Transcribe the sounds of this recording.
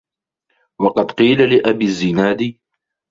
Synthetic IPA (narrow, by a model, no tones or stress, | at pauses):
wɑqɑd̪qiːlalɪʔabiːzːɪnaːd̪i